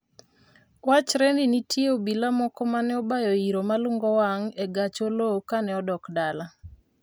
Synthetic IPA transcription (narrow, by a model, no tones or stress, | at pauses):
wat͡ʃɾɛninitʰjeobilamɔkɔmanɛɔbajoiɾomalʊŋɡɔwaŋeɡat͡ʃolokanɛɔdɔkdala